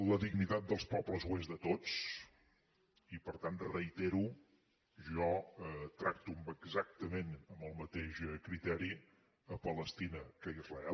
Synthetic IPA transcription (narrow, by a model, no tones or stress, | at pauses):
ləðiɡnit̪at̪̚d̪əlˠspɔbləzwezðət̪ot͡s | ipəɾt̪anrəit̪eɾu | ʒɔt̪ɾak̚t̪umbəɡzak̚t̪əmenəmbəlˠmət̪eʃkɾit̪ɛɾi | əpələst̪inəkəizrəɛ